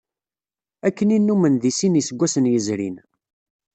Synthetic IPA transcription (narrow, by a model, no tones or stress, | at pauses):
ækːəninːumənðisinisəɡʷːæsənjəzɾḭn